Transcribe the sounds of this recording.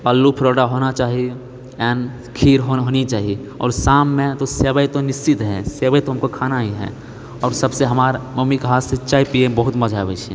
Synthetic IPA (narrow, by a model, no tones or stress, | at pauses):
pəlːupʰɾoːɽaɦonat͡ʃaːɦi | ɛːn | kʰiɾɦoɦonit͡ʃaːɦi | ɔ̰ːɾsamːẽt̪oseːbəjt̪onɪst͡ʃit̪ɦɛ̰̃seːbəjt̪oɦəmkokʰaːnaɦiɦɛ̰̃ | ɔːɾsəbseɦəmaːɾməmːikɦasit͡ʃaːipiẽbəɦʊt̪məd͡ʒʱaːbɛ̰t͡ʃʰɛ̰̃